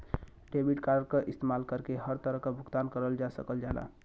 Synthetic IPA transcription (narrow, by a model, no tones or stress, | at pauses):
ɖebiʈkaɾɖkəʔist̪emalkəɾkeɦəɾt̪əɾəkəbʱuɡt̪ankəɾəld͡ʒasə̰kəld͡ʒala̰